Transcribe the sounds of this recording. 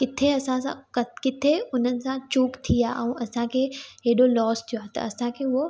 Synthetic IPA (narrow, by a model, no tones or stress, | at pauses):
kɪt̪ʰeɐsãsã̰kɐkɪt̪ʰeʊn̤ənɪ̆sãt͡ʃuːkt̪ʰijaʔɛ̃ːʔɐsãkʰeeɦɪɗolɔːst̪ʰijoaːt̪ɐ̰ɐsãkʰeo